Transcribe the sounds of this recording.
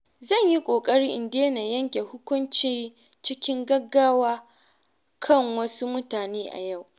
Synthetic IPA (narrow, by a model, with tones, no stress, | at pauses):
zɐ˦˨ɲji˦kʷʼoː˨kʼɐ˦ɽiː˦ʔɪ˨ndeː˦na˨jɐ˦ŋkʲe˨hʊ˦kʷʊ˦nt͡ʃiː˦ | t͡ʃɪ˦kʲɪ˦ŋɡɐ˦ɡːaː˦waː˦ | kʰɐ˦˨ŋwɐ˦su˦mʊ˦taː˨neː˦ʔa̰˨ja˦˨w